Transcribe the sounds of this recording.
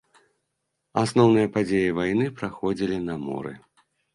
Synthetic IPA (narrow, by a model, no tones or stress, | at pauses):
asnɔwnɨjɐpad͡zʲejivajnɨpɾaxɔd͡zʲilʲinɐmɔ̰ɾɨ̰